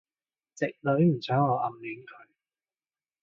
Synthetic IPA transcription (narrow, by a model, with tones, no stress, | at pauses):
t͡sɪ˨k̚lɵ˨˧˥ɥm̩˨˩sʰœː˨˥ŋɔː˨˧ʔɐ˨mlyː˨˥nkʰɵ˨˧ɥ